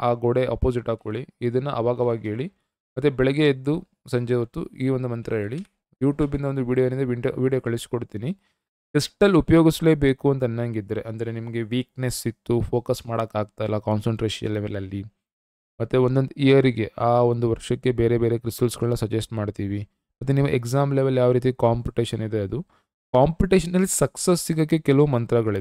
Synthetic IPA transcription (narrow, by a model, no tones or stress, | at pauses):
aːɡɔɽe̞ʔɐ̰poːsiʈaːkoɭiːd̪ɐnːɐʔɐʋaːɡɐʋaːɡiɦe̞ːɭi | mɐt̪ːebɛɭɛɡeːd̪ːu | sɐɲd͡ʒeːʋɐt̪ːṵiːʋo̞nd̪umɐnt̪ɾʔɐɦe̞ːɭi | juːʈjuːbind̪ɐʋond̪uʋiːɽijonind̪ɐʋioʋiːɽijokɐɭisi̥koɽt̪iːni | ʈe̞sʈɐlːupɐjoːɡisleːbe̞ːkuɐnt̪ɐnːɐŋɡid̪ːɐɾe̞ʔɐnd̪ɐɾenimɐɡe̞ʋiːknesit̪ːupʰo̞ːkɐsmaːɽɐkːaːɡ̚t̪aːjilːɐkaːnsɐɳʈɾeːʂɐ̰nleʋelɐlːi | mɐt̪ːuond̪o̞nd̪uijɐɾiɡe̞ʔaːo̞nd̪uʋɐɾʂɐkːe̞be̞ːɾe̞be̞ːɾe̞kɾisɐlsɡɐɭɐnːɐsɐd͡ʒesʈmaːɖt̪iːʋi | mɐt̪ːuniːʋuʔeksaːmleʋelːjaːʋɾiːt̪̬ikaːmpiuʈeːʃɐnid̪e̞ɐd̪u | kaːmpuʈeːʃɐnɐlːisɐksesiɡɐkːekɛlɐʋumɐnt̪ɾɐɡɐɭi